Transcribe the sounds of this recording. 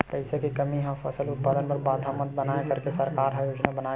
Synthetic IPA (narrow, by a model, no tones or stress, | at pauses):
pəɪsekikɐmiɦãfʰɐsəlʊt̪̚paːd̪ənpɐɾbaːd̪ʱamə̃t̪̚bənaːjekɐɾkesɐɾkaːɾɦaːjoːd͡ʒnabənaː